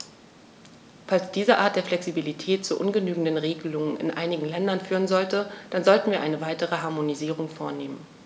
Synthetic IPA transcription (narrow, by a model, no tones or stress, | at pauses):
falsd̥iːzəʔaɐt̚d̥eːɐflɛksibilitʰɛːtt͡suʔʊnɡənyːɡŋ̩dənʁeːɡəlʊŋənɪ̰nʔa̰ɪnɪɡŋ̩lɛndɐnfyːʁ̞ənzɔltəd̥anzɔltn̩viːɐʔaɪnəvaɪtəʁ̞əɦaɐmoniziːʁ̞ʊŋfoːɐneːmən